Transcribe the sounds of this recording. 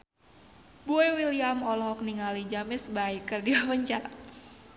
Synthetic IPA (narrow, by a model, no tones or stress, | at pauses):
buewiliamɔlɔɦɔkniŋalid͡ʒamɪsbaɪkːərdiwaməɲt͡ʃaa